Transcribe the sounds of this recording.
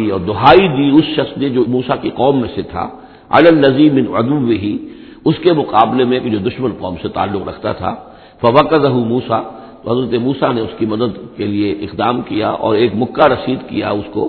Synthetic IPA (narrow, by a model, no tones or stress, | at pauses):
iɔːɾd̪ʊɦaːid̪iʊsʃɐxsned͡ʒoːmuːsakiqɔːmːẽset̪ʰa̰ | a̰lalːɐzimɪ̃nʕʊ̰d̪ʊwːɪɦi | ʊskemʊqaːblemẽked͡ʒoːd̪ʊʃmənqɔ̰ːmset̪a̰ːlːʊqɾɐ̰kʰt̪a̰t̪ʰa̰ː | fɐʋɐkɐzɐɦumuːsaː | t̪oɦɐzɾət̪emuːsaneʊskimɐd̪əd̪kelieʔɪqd̪aːmkija̰ʔɔ̰ːɾeːkmʊkːaɾɐsiːd̪kḭja̰ʊsko